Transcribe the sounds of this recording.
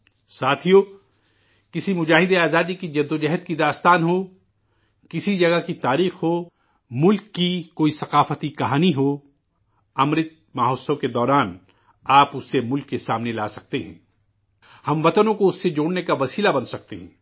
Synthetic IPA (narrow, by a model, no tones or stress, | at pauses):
saːt̪ʰijo | kɪsimʊd͡ʒaːɦɪd̪eaːzaːd̪ikid͡ʒɐd̪ːod͡ʒɐɦəd̪̚kid̪aːst̪aːnɦo | kɪsid͡ʒɐɡakit̪aːɾiːxɦo | mʊlkːikoːisɐqaːfət̪ikɐɦaːniɦoː | ɐmɾɪt̪̚maːɦoːsõked̪ɔːɾaːn | aːpʊsːemʊlkːesaːmnelaːsɐk̚t̪eɦɛ̰̃ː | hɐmʋɐt̪ənõkoʊsːed͡ʒoːɽnekaʋɐsiːlabɐnsɐk̚t̪eɦɛ̰̃ː